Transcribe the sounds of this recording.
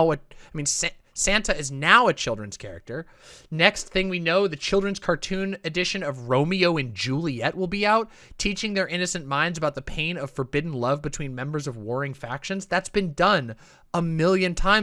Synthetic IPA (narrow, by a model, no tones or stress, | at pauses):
ɨaɪmĩnssæ̃ntɨɨznaʊɨt͡ʃʰɪlˠdɹɨ̃nz̥kʰɛ̰ɹɨ̰k̚tə˞ | nɛksθɪ̃ŋwinoʊðɨt͡ʃʰɪlˠdɹɨ̃nz̥kʰɑɹtʰʉ̃nɨdɪʃɨ̃nʌvɹõʊ̃mioʊɨ̃nd͡ʒʉlˠiɛʔ̚wəlˠbiaʊtʰ | it͡ʃɪ̃ŋðə˞ʔɪ̃nɨsɨ̃nmãɪ̃ndzəbaʊt̪̚ðɨpʰẽɪ̃nʌv̥fə˞bɪdⁿn̩lʌvbɨtʰw̥ĩnmɛ̃mbə˞zʌvwɔɹɪ̃ŋfækʃɨ̃nzðætsb̥ɨ̃ndʌ̃n | əmɪlˠjɨ̃ntʰãɪ̃